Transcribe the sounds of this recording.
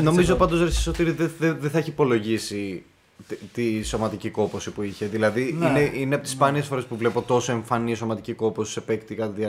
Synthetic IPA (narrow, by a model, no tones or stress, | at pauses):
no̞mizo̞pɐnd̪o̞sɾesi̥sot̪iɾðeðeðeθɐeçiːpo̞lo̞ʝisi | t̪t̪iso̞mɐt̪iciko̞po̞sipuiçe̞ðilɐðiineʔineɐpot̪i̥spɐniesfo̞ɾe̞spuvle̞po̞t̪o̞so̞e̞ɱfɐniso̞mɐt̪iciko̞posi̥sepekt̪ikɐt̪iðiɐ